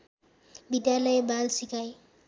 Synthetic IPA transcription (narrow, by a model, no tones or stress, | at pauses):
bid̪jalɔjebalsikaj